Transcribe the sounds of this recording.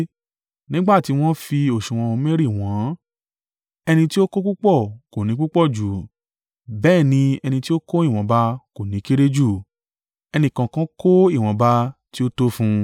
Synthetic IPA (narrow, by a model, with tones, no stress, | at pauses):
nĩ˦ɡ͡ba˦˨ti˨˦w̃ɔ̃˦fi˧o˨ʃũ˨w̃ɔ̃˧o˧mẽ˦ɾi˦˨w̃ɔ̃˨˦ | ɛ˧nĩ˧ti˦o˦ko˦k͡pu˦k͡pɔ˦˨ko˨nĩ˨˦k͡pu˦k͡pɔ˦˨d͡ʒu˨ | bɛː˦˨nĩ˧ɛ˧nĩ˧ti˦o˦ko˦i˦˨w̃ɔ̃˨˦ba˧ko˨nĩ˨˦ki˦ɾe˦d͡ʒu˦˨ | ɛ˧nĩ˧˨kã˧kã˦ko˦i˦˨w̃ɔ̃˨˧˦ba˧ti˦o˦to˦fũ˧